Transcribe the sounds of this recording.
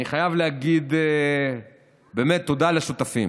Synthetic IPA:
niχajavleaɡid̪e | be̞ːmet̪ːo̞d̪aleʃut̪afḭm

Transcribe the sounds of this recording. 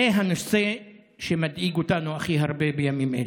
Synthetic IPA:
eɦanose | ʃemad̪iɡot̪anuaχiɦaɾbebejamimʔḛl

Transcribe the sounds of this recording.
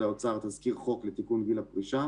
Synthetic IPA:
laot͡saʁt̪azkiʁχo̞klet̪ikunvilapʁiʃa

